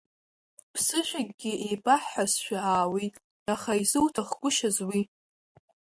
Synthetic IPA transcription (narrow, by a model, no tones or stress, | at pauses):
pʰsɨʃʷᶣaɡʲɡʲɪejpʼaħħasʃᶣaaːwitʼ | aχaizɨwtʰaχɡʷʼʊʃazwi